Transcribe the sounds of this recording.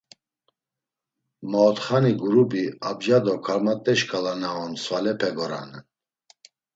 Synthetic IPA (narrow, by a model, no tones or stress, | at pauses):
mɔːt̪χaniɡuɾubiabʒad̪ɔkʰaɾmat̪ʼɛʃkʰʼalanaɔnswalɛpʰɛɡɔɾa̰nɛn